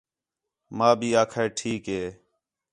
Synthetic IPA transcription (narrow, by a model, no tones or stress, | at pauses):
mãːbʱiːaːkʰeːʈʰiːkɦeː